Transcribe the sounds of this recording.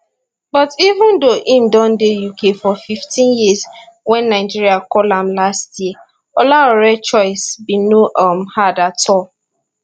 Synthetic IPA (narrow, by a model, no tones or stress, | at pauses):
bɔtivə̃ndoʔĩmdɔ̃ndejukʰefɔfiftʰĩnjizwɛ̃nːaɪd͡ʒiɹiakɔlãmlastjiə | ɔlaɔɹɛt͡ʃɔɪsbinoʔʌmhadatʰɔl